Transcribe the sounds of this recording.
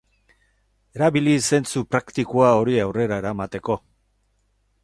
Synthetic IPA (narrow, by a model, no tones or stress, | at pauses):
e̞ɾaβilise̞nt͡supɾakt̪ikuao̞ɾiawre̞ɾaeɾaemat̪e̞ko̞